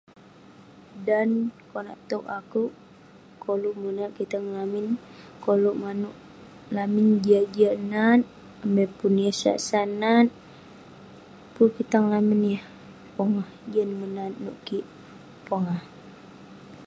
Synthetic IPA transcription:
dankona̰ʔt̪ɔkakuʔ | koluʔmunaʔkit̪aŋlaminkoluʔmanuʔ | lamind͡ʒad͡ʒanat̪̚ | əmɛpunijəsa̰ʔsanat̪̚ | pukit̪aŋlaminjəh | pɔŋahd͡ʒənmənannṵʔkiʔ | pɔŋah

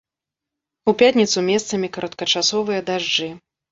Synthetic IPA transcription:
upʲat̪ʲnʲit̪sumʲɛst̪sɐmʲikɐɾʔɐt̪kɐt͡ʂasɔvɨjɐd̪aʐd͡ʐɨ

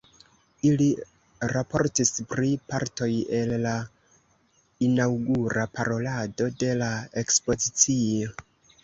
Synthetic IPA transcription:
ili | ɾapo̞ɾtispɾipaɾto̞je̞lːa | inawɡuɾapaɾo̞lado̞de̞lae̞kspo̞zit͡sio̞

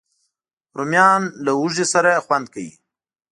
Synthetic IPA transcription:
ɾumjɑnlawuʒesaɾaxwand̪̚kawḭ

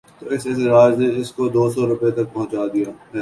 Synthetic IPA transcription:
t̪oːɪsɪsɾaːd͡ʒneɪskod̪oːsɔːɾʊpet̪ɐk̚pɐɦʊ̃t͡ʃaːd̪ijaːɦɛː

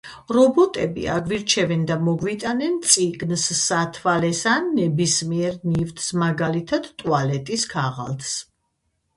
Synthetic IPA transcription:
ɾɔbɔt̪ʼɛbḭa̰ɡviɾt͡ʃʰɛvɛnd̪amɔɡvit̪ʼanɛnt̪sʼiɡnsːat̪ʰvalɛsanːɛbismiɛɾnivt̪ʰsmaɡalit̪ʰad̪̥t̪ʼualɛt̪ʼiskʰaʁa̰lt̪ʰs

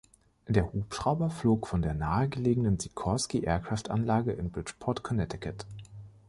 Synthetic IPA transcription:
d̥eːɐhuːpʃʁ̥aʊbɐfloːkfɔndeːɐnaːəɡəleːɡəŋ̩dənzikʰɔskiʔḛːɐkʁ̥aftʔa̰nlaːɡəʔɪnbʁɪt͡ʃpʰɔɐtkʰɔnɛtɪkʰət

